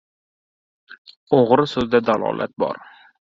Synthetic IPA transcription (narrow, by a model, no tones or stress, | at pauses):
oʁɾɪsɵzd̪ad̪alˠɒ̰ːlˠʔa̰t̪̚bɒ̰ɾ